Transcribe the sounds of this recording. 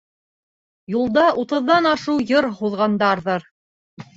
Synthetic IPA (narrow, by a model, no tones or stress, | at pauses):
julˠd̪ɑʔut̪ɤ̆ðːɑnɑʃɤwjɤɾhuðʁɑnd̪ɑɾðɤɾ